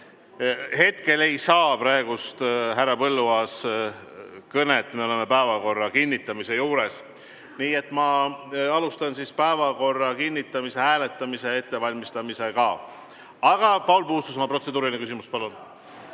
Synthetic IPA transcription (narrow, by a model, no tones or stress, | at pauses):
he̞t̪ke̞le̞jsɑːpɾɑe̞ɡ̥ust̪ɦærːɑpɤlːuɑːs | kɤnet̪ːˑmeo̞lemepæevɑko̞rːɑkinʲːit̪ːˑɑmise̞juːɾe̞s | niːe̞t̪ːˑmɑɑlust̪ɑnsispæevɑko̞rːɑkinʲːit̪ːˑɑmise̞æːle̞t̪ːˑɑmise̞e̞t̪ːe̞vɑlʲmist̪ɑmise̞kɑ | ɑɡ̥ɑpɑwlpuhust̪us̬omɑpro̞se̞d̪uːɾilinekys̬imust̪pɑlːun